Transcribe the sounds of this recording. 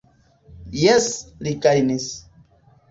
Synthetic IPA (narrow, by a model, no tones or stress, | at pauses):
jeslikajnis